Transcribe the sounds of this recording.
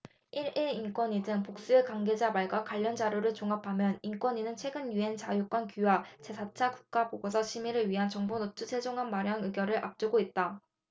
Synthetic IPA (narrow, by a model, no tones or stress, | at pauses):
iɾeink͈wʌɲidɯŋpok̚s͈uekaŋɡe̞d͡ʑamaɭɡwakwaʎːʌnd͡ʑaɾjoɾɯɭt͡ɕoŋapʰamjʌnink͈wʌɲinɯnt͡ɕʰwe̞ɡɯnjue̞nt͡ɕajuk͈wʌnkuwat͡ɕe̞sʰat͡ɕʰakuk̚k͈apoɡos̬ʰʌɕʰimiɾɯɭɥiɦant͡ɕʌŋbonotʰut͡ɕʰed͡ʑoŋɦanmaɾjaŋɯɡjʌɾɯɭʔap̚t͡ɕ͈uɡoit̚t͈a